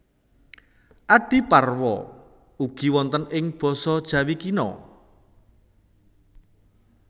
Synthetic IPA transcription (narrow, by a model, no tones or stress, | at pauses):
ʔaɖ̥i̤parwɔ̰ | uɡ̥i̤wɔnt̪ənɪŋb̥ɔ̤sɔd̥ʒ̥ä̤wikinɔ̰